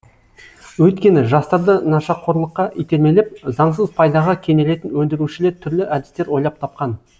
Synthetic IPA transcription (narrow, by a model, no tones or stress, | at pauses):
wɵjt̪kʲe̞nɪʒɑst̪ɑɾd̪ənɑʃɑqʰːo̞ɾlˠəqːɑʔijt̪e̞ɾme̞lɪp̚zɑɴs̬əzpʰɑjd̪ɑʁɑkʲʰe̞ne̞le̞t̪ɪnwɵnd̪ɪɾuʃɪle̞ɾt̪ʰʏɾlɪʔæd̪ɪst̪e̞ɾwo̞jlˠɑp̚t̪ʰɑp̚qɑn